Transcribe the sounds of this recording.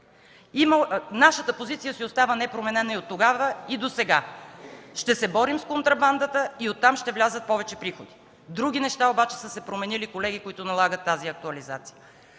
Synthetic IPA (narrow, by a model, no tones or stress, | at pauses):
imənaʃət̪əpozit̪sijəsiost̪avənɛpɾomɛnɛnɐiot̪ːoɡavəid̪osɛɡa | ʃt̪ɛsɛbɔɾimskont̪ɾɐband̪ət̪əiot̪ːamʃt̪ɛvlʲazət̪̚pɔvɛt͡ʃɛpɾixod̪i̥ | d̪ɾuɡ̟ʲinɛʃt̪aobat͡ʃɛ̥səsɛpɾomɛnilikolɛɡʲikoit̪ʊnɐlˠaɡət̪ːaziɐk̚t̪uɐliza̰t̪si̥jə